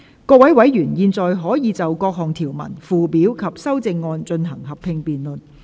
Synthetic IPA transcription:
kɔː˧˥wɐ˨˥jwɐ˨˥jjyː˨˩njiː˧nt͡sɔː˨jɦɔː˨˥jiː˨˧t͡sɐ˨wkɔː˧k̚ɦɔ˨˩ŋt̪ʰiː˨˩wmɐ̰˨˩nfuː˨piː˨˥wkʰɐ˨p̚sɐ˥wt͡sɪ˧ŋːɔː˧nt͡ʃɵ˧nɦɐ˨˩ŋɦɐ˨pʰɪ˧ŋpiː˨nlɵ˨n̚

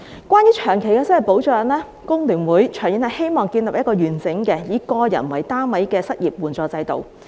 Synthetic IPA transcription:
kʷaː˥njyː˨˥t͡ʃʰœː˨˩ŋkʰe˨˩jkɛː˧sɐ˥wɐ˨˩jpo˨˥wt͡ʃɔː˧jɐ˨˩nlɛː˥ | kʊ˥ŋlyː˨˩nwuː˨˥jt͡ʃʰœː˨˩ŋji˨˥nhɐ˨˩jhe˥jmɔː˨˩ŋkiː˧nlɐ˨p̚jɐ˥t̚kɔː˧jyː˨˩nt͡sɪ˨˥ŋkɛː˧jiː˨˥kɔː˧jɐ̰˨˩nwɐ˨jt̪aː˥mɐ˨˥jkɛː˧sɐ˥t̚jiː˨p̚wuː˨˩nt͡sɔː˧t͡sɐ˧jt̪o̰˨w

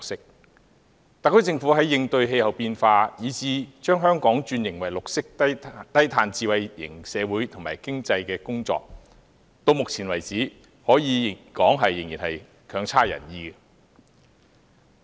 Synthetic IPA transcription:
ksɪ˥k̚ | t̪a˨kʰːɵ˥t͡sɪ˧ŋfuː˨˥ɦɐ˨˥jːɪ˧ŋt̪ɵ˧ɥɦe˧jhɐ˨˩wpiː˧nfaː˧jiː˨˥t͡siː˨˧t͡ʃœː˥ŋɦœː˥ŋkɔː˨˥ŋt͡ʃyː˧njɪ˨˩ŋwɐ˨˩jlʊ˨k̚sɪ˥k̚t̪ɐ˥jt̪ʰaː˧nt͡siː˧wɐ˨jjɪ̰˨˩ŋsɛː˨˧wuː˨˥jt̪ʰʊ˨ŋmaː˨˩jkɪ˥ŋt͡sɐ˧jkɛː˧kʊ˥ŋt͡sɔ̰ː˧k̚ | t̪o˧wmʊ˨k̚t͡sʰiː˨˩nwɐ˨˩jt͡siː˨˥ | hɔː˨˥jiː˨˧˨kɔː˨˥ŋɦɐ˨jːɪ˨˩ŋji˨˩hɐ˨j | kʰœː˨˧˥ŋt͡sʰaː˥jɐ̰˨˩njiː˧ɡɛ˧

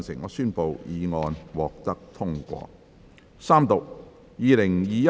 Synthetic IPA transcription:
nsɪ˨˩ŋːɔː˨˧syː˥npo˨wjiː˨˧ŋɔː˧nwɔː˨k̚t̪ɐ˥k̚t̪ʰʊ˥ŋkʷɔ̰ː˧ | saː˥mt̪ʊ˨k̚ | jiː˨˧lɪ˨˩ŋjiː˨˧jɐ˥

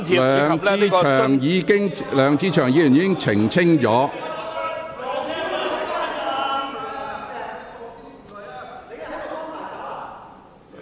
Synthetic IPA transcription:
lœː˨˧ŋt͡si˥t͡ʃʰœː˨˩ŋjiː˨˧kɪ˥ŋlœː˨˧ŋt͡siː˥t͡ʃʰœː˨˩ŋjiː˨jy˨˩niː˨˥kɪ˥ŋt͡sʰɪ˨˩ŋt͡sʰɪ˥ŋt͡ʃɔː˨˥

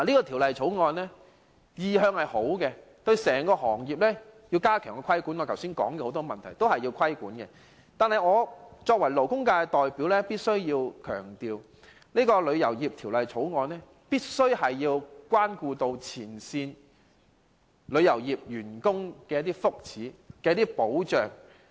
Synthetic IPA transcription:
a˨liː˥kɔː˧t̪ʰi˨˩wlɐ˨jt͡ʃʰo˨˥wŋɔː˧nlɛ˥ | jiː˨˧ɦœː˧ŋhɐ˨jho˨˥wkɛ˧ | t̪ɵ˧ɥsɛː˨˩ŋkɔː˧hɔː˨˩ŋjiː˨p̚lɛː˥ji˧wkaː˥kʰœː˨˩ŋkɔ˧kʰɐ˥jkuː˨˥nɔ˨˧kʰwsiː˥nkɔ̰ː˨˥ŋkɛ˧ho˨˧˥wt̪ɔ˥mɐ˨nt̪ʰɐ˨˩jt̪o˥whɐ˨jːiː˧wkʰɐ˥jkuː˨˥nkɛ˧ | t̪aː˨nhɐ˨jŋɔː˨˧t͡sɔː˧k̚wɐ˨˩jlo˨˩wkʊ˥ŋkaː˧ɛ˧t̪ɔː˨jpiː˨˥wlɛː˥piː˥t̚sɵ˥ɥjiː˧wkʰœ̰ː˨˩ŋt̪iː˨˧w | niː˥kɔː˧lɵ˨˧ɥjɐ˨˩wjiː˨p̚t̪ʰiː˨˩wlɐ˨jt͡sʰo˨˥wŋɔː˨˧nlɛː˥ | piː˥t̚sɵ˥ɥhɐ˨jjiː˧wkʷwaː˥nkuː˧t̪o˧wt͡sʰiː˨˩nsiː˧n | lɵ˨˧ɥjɐ˨˩wjiː˨˩p̚jyː˨˩nkʊ˥ŋkɛː˧jɐ˥t̪̬iː˥fʊ˥k̚t͡sʰiː˨˥kɛː˧jɐ˥t̪iː˥po˨˥wt͡ʃœː˨˩ŋ

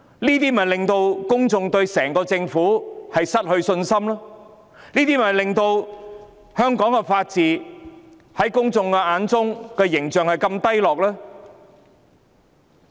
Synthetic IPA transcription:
niː˥t̪iː˥m̩˨ɐ˨˩lɪ˨˩ŋt̪o˧wkʊ˥ŋt͡sʊ˧ŋt̪ɵ˧ɥsɛː˨˩ŋkɔː˧t͡sɪ˧ŋfuː˨˥hɐ˨jsɐ˥t̚hɵ˧ɥsɵ˧nsɐ˥mlɐː˥ | niː˥t̪iː˥˩m˨hɐ˨˩jlɪ˨˩ŋt̪o˧w | hœː˥ŋkɔː˨˥ŋkɛ˧faː˧t̚t͡siː˨ | hɐ˨˥jkʊ˥ŋt͡sʊ˧ŋkɛ˧aː˨˥nt͡sʊ˥ŋkɛː˧jɪ˨˩ŋt͡sœː˨˩ŋhɐ˨jkɐ˧mt̪ɐ˥jlɔː˨k̚lɛː˥

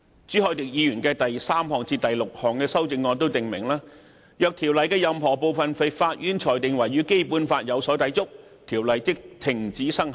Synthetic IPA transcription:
t͡syː˨˥hɔː˨˧jt̪ɪ˨k̚jiː˨˧ɥyː˨˩nkɛː˧t̪ɐ˨jsaː˥mhɔː˨˩ŋt͡siː˧t̪ɐ˨jlʊ˨k̚hɔː˨˩ŋkɛː˧sɐ˥wt͡sɪ˧ŋːɔː˨˧nt̪o˥wt̪ɪ˨ŋmɪ˨˩ŋlaː˥ | jœː˨˧k̚t̪ʰiː˨˩wlɐ˨jkɛː˧jɐ˨mɦɔː˨˩po˨wfɐ˨nfe˨˧jfaː˧t̚ʔyː˥nt͡ʃʰɔː˨˩jt̪ɪ˨ŋwɐ˨˩jɥyː˨˥ke˥jpuː˨˥nfaː˧t̚jɐ˨˧wsɔː˨˥t̪ɐ˨˥jt͡sʊ˥k̚ | t̪ʰiː˨˩wlɐ˨jt͡sɪ˥k̚t̪ʰɪ˨˩ŋt͡siː˨˥sɐ˥ŋ˨

